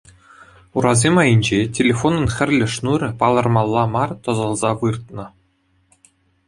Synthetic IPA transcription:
uɾɑzʲemɑjɘ̆nʲd͡ʑetʲelʲefonɤ̆nχʲɘ̆rʲlʲɘ̆ʂnurʲɘ̆pɑlˠɤ̆rmɑlˠːɑmɑrt̪ŏzɤ̆lˠzɑʋɯrt̪̚nɤ̆

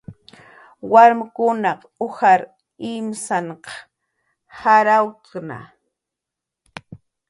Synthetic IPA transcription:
waɾmɪkʊnɑq | ʊhaɾ | ɪmsaɴqɑ̥ | haɾawkna̰

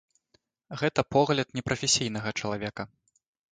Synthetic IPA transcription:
ɣɛt̪ɐpɔɣlʲɐt̪nʲɛpɾɐfʲɛsʲijnɐɣɐt͡ʂɐlˠavʲɛkɐ

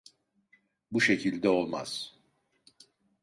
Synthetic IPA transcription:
buʃecʰilʲd̪ɛo̞lˠma̰z̥

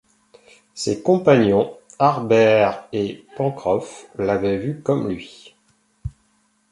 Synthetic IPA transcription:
sekɔ̃paɲjɔ̃aʁbɛʁepɑ̃kχɔflavɛvykɔmlɥi

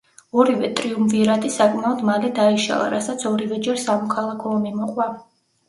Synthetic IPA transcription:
ɔɾivɛt̪ʼɾiumviɾad̪isakʼmaɔd̪malid̪aiʃa̰lˠa̰ɾasat̪sʰɔɾivɛd͡ʒɛɾsamɔkʰalˠakʰɔmimɔqʼwa

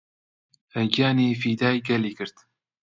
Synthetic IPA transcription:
hɛɡjaːneːfiːd̪aːjɡɛliːkɨɾt̪

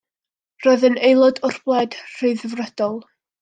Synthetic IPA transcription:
rɔɨðənejlˠɔdʊrblˠɛd̥r̥ɨɨðəvrɛd̥ɔlˠ

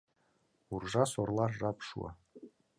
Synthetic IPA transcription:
urʐɑsorlˠɑʒɑpʃṵɑ̰

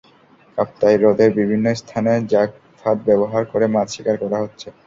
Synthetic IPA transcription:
kap̚t̪ajɾod̪eɾbibʱinːost̪ʰaned͡ʑak̚ | t̪ʰat̪̚bɛboɦaɾkoɾemad͡ʑ̪ʃikaɾkɔɾaɦotːɕʰe

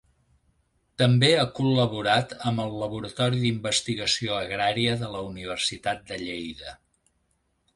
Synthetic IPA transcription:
t̪əmbeakuləβuɾat̪əmbəlˠːəβuɾət̪ɔɾiðimbəst̪iɣəsioəɣɾaɾiəðələuniβ̞ərsit̪at̪̚d̪əʎejðə

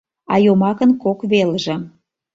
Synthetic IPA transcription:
ɑ̰jomɑkənkokβelʒĕ

